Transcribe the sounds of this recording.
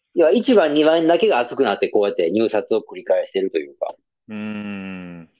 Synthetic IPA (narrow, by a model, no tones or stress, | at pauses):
joβait͡ɕibãɲ̟ːiβãnd̪ake̞ɡaːt͡sɨ̥kɯ̟nat̪ːe̞ko̞ːjat̪ːe̞ɲ̟ɨːsat͡sɨo̞kɯ̟ɾʲikae̞ɕi̥t̪e̞ɾɯ̟t̪o̞jɯ̟̰ːka̰ | ɯ̃